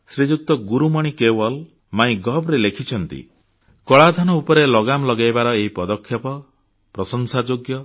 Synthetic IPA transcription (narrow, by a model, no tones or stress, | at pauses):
sɾid͡ʒuk̚t̪ɔɡuɾumɔɽ̃ikewɔl | maĩɡɔbɾelekʰit͡ʃʰɔnt̪ḭ | kɔɭad̪ʱɔnɔupɔɾelɔɡamlɔɡajbaɾɔeɦipɔd̪ɔkʰːjɔpɔ | pɾɔsɔŋsad͡ʒoɡjɔ